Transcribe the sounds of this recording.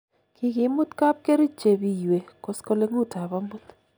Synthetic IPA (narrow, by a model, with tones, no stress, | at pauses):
kʰɪ˨kɪ˨mʊ˦t̪ka˦p̚ke˦ɾi˦t͡ʃe˨bi˦jwe˨kɔ˨skɔ˦le˦ŋu˦ta˨ba˦mʊ˦t̪